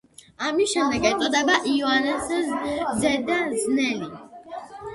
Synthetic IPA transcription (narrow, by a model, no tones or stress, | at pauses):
amisʃɛmnd̪ɛɡɛt̪ʼɔd̪ɛbaʔiɔanɛs | zɛd̪aznɛli